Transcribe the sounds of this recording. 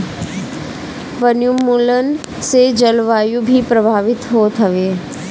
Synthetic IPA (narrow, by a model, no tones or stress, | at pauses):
ʋənjumːuːlən | sed͡ʒəlʋaːjubʱipɾəbʱaːʋɪt̪ɦoːt̪ɦɐʋeː